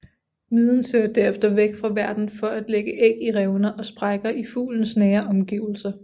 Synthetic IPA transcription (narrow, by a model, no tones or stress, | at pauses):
miːðˠn̩søːɐd̥æɐefd̥ɐʋeɡ̥fʁɑ̈ʋæɐd̥n̩fɒ̽ʔæd̥leɡ̥əʔeɡ̥iʁɛʊnɐʔɒ̽sb̥ʁɑ̈ɪɡ̥ɐʔifṵːln̩snɛːɐʔɒ̽mɡ̥ḭʊl̩sɐ